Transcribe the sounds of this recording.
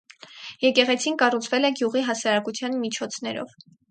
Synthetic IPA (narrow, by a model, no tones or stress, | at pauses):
jɛkɛʁɛt͡sʰinkɑrut͡sʰvɛlɛɡjuʁiɦɑsɑɾɑkut͡sʰjɑnmit͡ʃʰɔt͡sʰn̪ɛɾɔ̰v